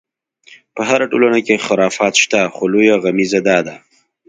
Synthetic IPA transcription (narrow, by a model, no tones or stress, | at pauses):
pəɦaɾaʈolanakexɪɾɑfɑt̪ʃt̪axolojaɣamizad̪ɑd̪a